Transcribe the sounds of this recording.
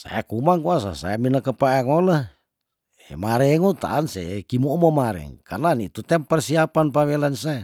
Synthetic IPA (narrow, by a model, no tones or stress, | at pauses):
sa̰ekumaŋkuas̬a̰sa̰eminakəpaaŋola | emaɾɛŋut̪a̰ʔansḛkimomomaɾɛ̰ŋkarnanit̪ut̪ɛmpərsiapanpawelansae